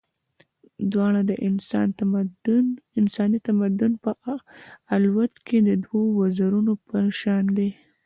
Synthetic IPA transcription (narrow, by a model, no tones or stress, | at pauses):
d̪wɑɽ̃ad̪əʔɪn | ɪnsɑnit̪amad̪ʊnpə | alwat̪kʰed̪əd̪wawazaɾunopəʃɑnd̪e